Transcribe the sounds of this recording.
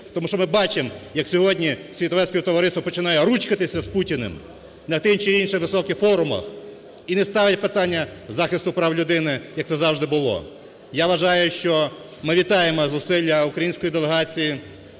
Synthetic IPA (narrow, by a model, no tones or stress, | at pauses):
t̪ɔmuʃt͡ʃɔmɪbɑt͡ʃɪmjɐksʲɔɦɔdʲnʲisʲʋʲit̪ɔʋɛsʲpʲiwt̪ɔʋɐɾɪst̪ɔpɔt͡ʃɪnɑjɛɾut͡ʃkɐt̪ɪsʲɐsputʲinḛm | nɐt̪ɪnt͡ʃɪinʃɪʋɪsɔkɪxfɔɾʊmɐ̰x | inɛst̪ɑʋɪt̚ʲpɪt̪ɑnʲːɐzɑxɪst̪ʊpɾɑwlʲʊd̪ɪnɪjɐkt̪sɛzɑwʒd̪ɪbʊlˠɔ̰ | jaʋɐʒɑjʊʃt͡ʃɔ | mɪʋʲit̪ɑjemɔzʊsɪlʲːɐukɾɐjinʲsʲkɔjid̪eleɦɑt͡sʲiji